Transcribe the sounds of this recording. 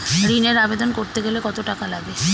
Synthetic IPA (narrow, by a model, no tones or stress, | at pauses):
ɾineɾabed̪onkoɾt̪eɡelekɔt̪oʈakalaɡe